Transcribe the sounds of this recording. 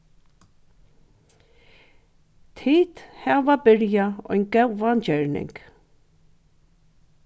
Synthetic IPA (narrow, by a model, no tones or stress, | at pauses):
t̪ʰiːt̪hæːʋabɪɾjaɔ̰jnɡɛwand͡ʒœɹnɪ̰ŋk